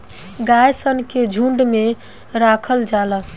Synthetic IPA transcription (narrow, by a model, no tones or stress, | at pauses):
ɡajsənked͡ʒʱuɳɖme | ɾakʰəld͡ʒalə